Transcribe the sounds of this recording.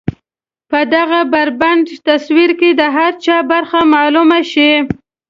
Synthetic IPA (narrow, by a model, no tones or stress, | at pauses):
pəd̪aɣabaɾbaɳɖt̪aswiɾked̪əɦaɾt͡ʃɑbaɾxamɑlumaʃi